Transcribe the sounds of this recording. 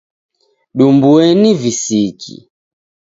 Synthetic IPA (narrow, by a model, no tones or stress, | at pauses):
ɗumbuɛnivisikḭ